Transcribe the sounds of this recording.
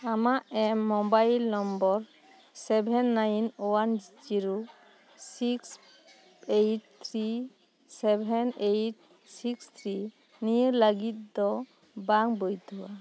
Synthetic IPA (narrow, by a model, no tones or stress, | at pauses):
amaʔɛmːɔbajlnɔmbɔɾ | sɛbʱɛnːajnowand͡ʒd͡ʒiɾu | siks | ejʈ̚t̪ʰɾi | sɛbʱɛnejʈ̚ | sikst̪ʰɾi | niɾləɡit̪̚d̪ɔ | baŋbojd̪ʱuwa